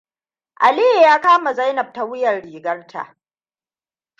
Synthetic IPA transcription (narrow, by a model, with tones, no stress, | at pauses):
ʔa˨li˦jjaː˦kaː˦ma˨za˦jnɐ˨b̚ta˨wʊ˦jɐ˨rɽiː˨ɡɐ˦rtʰa̰˨ʔ